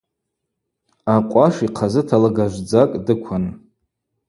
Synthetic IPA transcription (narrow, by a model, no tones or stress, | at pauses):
aqʷʼaʂiqʰazɨtʰalaɡaʒʷd͡zakʼdɨkʷʰan